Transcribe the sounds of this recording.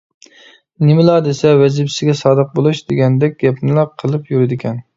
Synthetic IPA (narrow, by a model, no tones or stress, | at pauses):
nɪmɪlˠɑd̪esɛwɛzɪbsɪɡʲɛsɑːd̪əq̚bolˠuʃd̪eɡʲɛnd̪ɛk̚ʲɡʲɛpʰnɪlˠɑqʰːəlˠɨpjuɾɪd̪ɪkʲʰɛn